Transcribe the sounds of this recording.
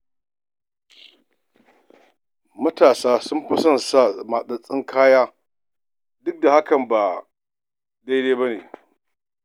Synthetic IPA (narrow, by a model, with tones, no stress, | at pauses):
mɐ˦taː˨saː˦sʊ˦mɸɐ˦sɐ˨nsa˦˨ma˨ɗɐ˨sʼɪ˦ŋkʰaː˦jaː˦ | dʊ˦k̚da˨ha˦kɐ˨mba˨ | da˦jdeː˦ba˦nḛː˨